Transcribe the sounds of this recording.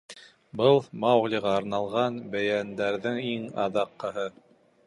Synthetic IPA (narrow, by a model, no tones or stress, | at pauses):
bɤlˠmɑwʁlʲiʁɑːɾnɑlˠʁɑnbæjænd̪æɾðɘŋiŋɑ̰ðɑqːɤ̆ɦɤ